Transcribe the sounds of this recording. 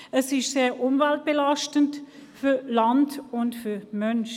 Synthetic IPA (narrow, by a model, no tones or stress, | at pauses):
əsɪʃseːʔʊmvɛlt̚b̥elaʃtənt | fylandʊntfymœnʃ